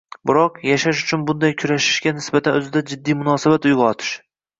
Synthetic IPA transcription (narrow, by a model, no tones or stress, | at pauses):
bɪɾɒqjaʃaʃʊt͡ʃʰʊnbʊnd̪ajkʲʰʊɾaʃɪ̥ʃɡʲanɪsbat̪ʰanɵzɪd̪ad͡ʒɪd̪ːijmʊnɒːsabat̪ʊjɡɒt̪ʰɪ̥ʃ